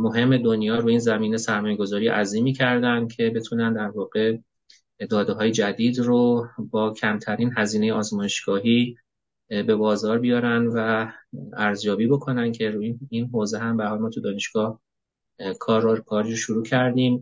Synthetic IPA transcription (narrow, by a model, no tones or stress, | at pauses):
mo̞ɦe̞mːe̞d̪o̞njɒːɾuːiːnzæmiːnesæɾmɒːje̞ɡo̞zɒːɾiːʔæziːmiːcʰæɾd̪ænd̪̥̚cʰe̞be̞t̪ʰuːnænd̪æɾvɒːɣe̞ | d̪ɒːd̪eɦɒːje̞d͡ʒæd̪iːd̪robɒːcʰæmt̪ʰæɾiːnɦæziːne̞jeɒːzmɒːje̞ʃɡ̥ɒːɦiː | be̞bɒːzɒːɾbijɒːɾænvæ | æɾzjɒːbiːbo̞kʰo̞nænd̪̥cʰe̞ɾuːiinɦoːzeɦæmbæɾhɒlmɒːt̪ʰud̪ɒːne̞ʃɡ̥ɒːh | kʰɒːɾokʰɒːɾiːɾoʃuɾuːcʰæɾd̪iːm